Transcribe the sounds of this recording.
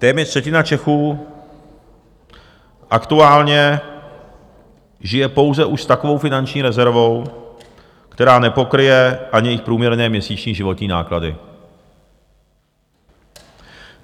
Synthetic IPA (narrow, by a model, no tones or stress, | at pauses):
t̪ɛːmɲɛt̪rsɛcɪnat͡ʃɛxuː | ʔakt̪uaːlɲɛ | ʒɪjɛpo̞wzɛʔuʃst̪ako̞vo̞wfɪnant͡ʃɲiːɾɛzɛɾvo̞w | kt̪ɛɾaːnɛpo̞kɾɪjɛʔaɲɪjɪxpɾuːmɲɛɾnɛːmɲɛsiːt͡ʃɲiːʒɪvo̞t̪ɲiːna̰ːkladɪ̰